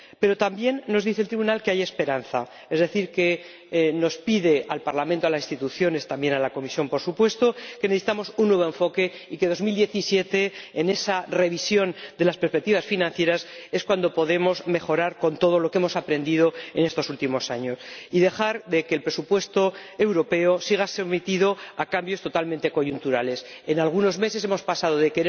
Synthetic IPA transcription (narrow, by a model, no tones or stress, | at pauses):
pe̞ɾo̞t̪ambje̞nːo̞zðiθelt̪ɾiβunalkeajaespe̞ɾan̟θa̰ | e̞zðe̞θiɾke̞ | no̞spiðe̞ʔalpaɾlament̪o̞alasist̪it̪uθjo̞ne̞st̪ambjenalako̞misjo̞mpo̞ɾsupwe̞st̪o̞keneθesi̥t̪amo̞sunːwe̞β̞oe̞ɱfo̞ke̞ike̞ðo̞zmild̪je̞θisje̞t̪e̞ːne̞sare̞β̞isjo̞nd̪e̞laspeɾspek̚t̪iβasfinãn̟θje̞ɾase̞skwand̪o̞po̞ðe̞mo̞zme̞xo̞ɾaɾko̞nt̪o̞ð̞o̞lo̞keemo̞sapɾe̞nd̪iðo̞ḛne̞st̪o̞sult̪imo̞saɲo̞siðe̞xaɾðe̞kelpɾesupwe̞st̪o̞e̞wɾo̞pe̞osiɣ̞asemit̪iðo̞akambjost̪o̞t̪almẽnt̪e̞ko̞ʝunt̪uɾale̞s | e̞nalɣ̞uno̞zme̞ses̬e̞mo̞spasaðo̞ðe̞keɾe